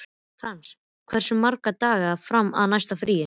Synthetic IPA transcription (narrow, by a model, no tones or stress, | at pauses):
θans | kʰvɛr̥sʏmːaɾkat̪aːɣafɾamːa̰ðnajst̪afɾiːjɪ